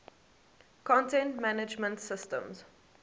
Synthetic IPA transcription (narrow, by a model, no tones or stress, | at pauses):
kʰɔ̃ntɛ̃ntmanɪd͡ʒmə̃ntsɪstə̰̃mz̥